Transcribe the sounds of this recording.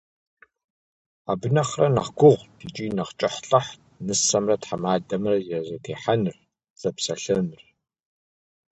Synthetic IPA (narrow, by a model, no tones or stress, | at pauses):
aːbɨnɐχrɐna̰χɡʷʊʁʷdʰit͡ʃʼinɐχt͡ʃʼɨħɬʼɐħ | nɨsɐmrɐtħamaːdɐmrɐjɛzɐtʰeːħanr | z̥ɐpsɐɬɨmr